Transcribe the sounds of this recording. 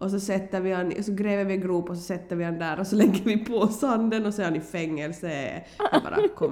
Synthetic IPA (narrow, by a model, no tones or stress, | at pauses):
ʔɔs̬ɔsɛt̪ːəvɪhanɔsɔɡɾeːvəɾvɪɛnɡɾuːpːɔsɔsɛt̪ːəɾvɪhand̪æːɾɔsɔlɛɡːəɾvɪpʰɔsand̪ənɔsɔɛɾhanɪfɛŋːɛlsə̰ | bɑ̰ːɾakʰɔm